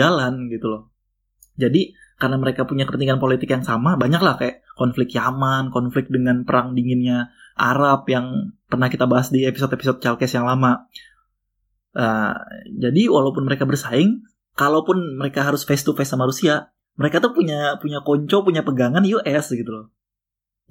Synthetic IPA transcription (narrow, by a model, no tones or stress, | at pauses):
alanɡit̪ulɔh | d͡ʒadi | karnaməɾekapuɲakəpənt̪iŋanpolit̪ɪkjaŋsamabaɲaklahkajaʔkɔnflɪkjamankɔnflɪk̚dəŋanpəɾaŋdiŋɪnɲaʔa̰ɾapjaŋpərnahkit̪abaɦasdiepisɔt̪episɔt̪̚t͡ʃalkɛsjaŋlama | ʔəd͡ʒadiwalaupʊnməɾekabərsaɪŋ | kalawpʊnməɾekaɦaɾʊsfest̪ufɛsamaɾusia | məɾekat̪upuɲapuɲakɔɲt͡ʃɔpuɲapəɡaŋanjuʔɛsɡit̪ulɔ